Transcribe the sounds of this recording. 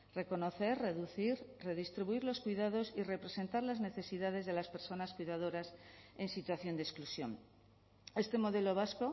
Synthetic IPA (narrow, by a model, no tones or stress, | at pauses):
re̞ko̞no̞θe̞rreðuθiɾreðist̪ɾiβuiɾlo̞skwiðað̞o̞sire̞pɾe̞se̞nt̪aɾlazne̞θe̞siðað̞e̞zðe̞laspe̞ɾso̞naskwiðað̞o̞ɾase̞nsit̪waθjo̞nd̪esklusjo̞̰n | e̞st̪e̞mo̞ðe̞lo̞β̞asko̞